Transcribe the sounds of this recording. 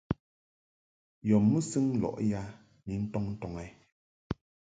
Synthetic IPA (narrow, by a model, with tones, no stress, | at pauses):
jɔ˨mːɨ˦sɨ˦ŋ˦lɔ̰˨ʔja˦ | ni˨˦n̩˦tɔ˦ŋn̩˦tɔ˨ŋɛ˨˦